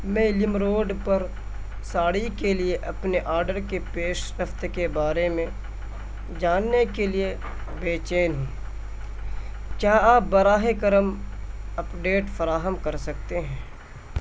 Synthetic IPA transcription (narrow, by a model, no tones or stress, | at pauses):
mɛ̃ːlɪmɾoːɖpɐɾ | saːɽikelieʔɐpneʔaːɾɖəɾkepeːʃɾəft̪kebaːɾemẽ | d͡ʒaːnːekelie | beːt͡ʃeːnɦũː | kjaːaːp̚bɐɾaːɦekəɾəmɐpɖeːʈfɐɾaːɦəmkɐɾsɐk̚t̪eɦɛ̃ː